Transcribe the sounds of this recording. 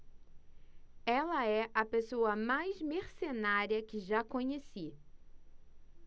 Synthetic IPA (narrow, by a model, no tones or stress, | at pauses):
ɛlɐɛʔɐpesoɐmajzmeɾsenaɾiɐkɪʒakõɲesi